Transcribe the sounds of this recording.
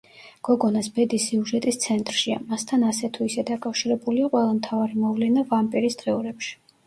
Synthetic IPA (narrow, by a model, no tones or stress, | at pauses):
ɡ̥ɔɡɔnasbɛd̪isiuʒɛt̪ʼist̪sʰɛnt̪ʼɾʃia̰mast̪ʰanasɛt̪ʰuisɛd̪akʼafʃiɾɛbuliaqʼwɛlˠamt̪ʰavaɾimɔvlɛnavampʼiɾisd̪ʁɛuɾɛpʃi̥